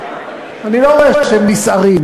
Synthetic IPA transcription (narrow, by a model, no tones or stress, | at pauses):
aniloʁoeʃeemnisaʁim